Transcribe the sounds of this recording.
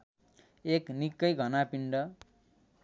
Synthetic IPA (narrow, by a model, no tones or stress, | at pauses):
eknikːʌjɡʱʌnapiɳɖʌ